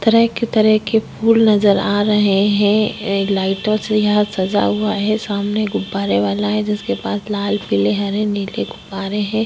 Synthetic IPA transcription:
t̪ɐɾəɦket̪ɐɾəɦkepʰuːlnɐzəɾaːɾɐɦeɦɛ̃laːɪʈõsejɐɦãsɐza̰ɦuaɦɛsaːmneɡʊbaːɾeʋaːlaɦɛ̃d͡ʒɪskepaːslaːlpileɦɐɾɛ̃niːleɡʊbaːɾeɦɛ̃ː

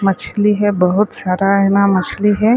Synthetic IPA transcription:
mɐt͡ʃʰliɦɛbɐɦʊt̪saːɾanamɐt͡ʃʰliɦɛ

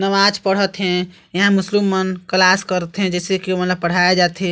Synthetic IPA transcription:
nəʋad͡ʒpəɽ̤ət̪ɦɛ̃ | jɐɦãmʊslimːənklaskəɾət̪ɦɛ̃d͡ʒɛːsekiomət̪ləb̚pəɽ̤ajad͡ʒaːt̪ɛ

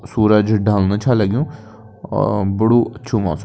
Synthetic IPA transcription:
suːɾəd͡ʒɖaːlnət͡ʃʰaːlɛɡjṵ̃ː | bəɽuːətːʃʰũːma̰ːsm

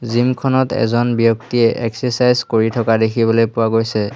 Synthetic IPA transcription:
zimkʰɔnɔtɛ̰zɔnbijɔk̚tiɛʔɛksɛsajzkoɹitʰɔkadekʰibɔlojpʊwaɡojsɛ

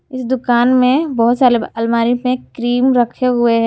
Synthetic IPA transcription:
ɪsd̪ʊkaːnmẽbɐɦʊt̪saːɾeɐlmaːɾimẽkɾiːmɾɐkʰeɦʊeɦɛ

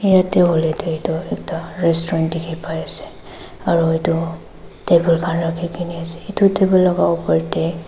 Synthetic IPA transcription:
ijateɦolɛteitʊɛk̚taɹɛstɔɹɔntdikʰipajasɛ̥ | aɹuitʊ | tebulkʰanɹakʰikiniasɛ̥itutebɔlɔɡaɔpɔɹtɛ

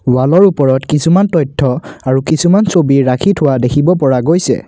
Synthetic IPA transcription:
walɔɹupɔɹɔtkisumantɔjtʰːɔaɹukisumansobiɹakʰitʰʊwadekʰibɔpɔɹaɡojsɛ̰

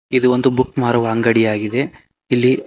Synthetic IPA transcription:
id̪uond̪ubukmaːɾɐʋaːŋɡɐɽijaːɡid̪e̞ | ilːi

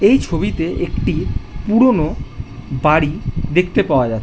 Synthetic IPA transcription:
ejt͡ɕʰobit̪eʔekʈipuɾono | baɽid̪ekʰt̪epaoad͡ʑatːʰ

